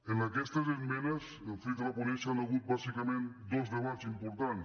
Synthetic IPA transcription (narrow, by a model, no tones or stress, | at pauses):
enlakest̪azemmenas | enfit̪ɾaponesanaɣut̪̚basikamẽnt̪d̪ozðeβat̪simpoɾt̪an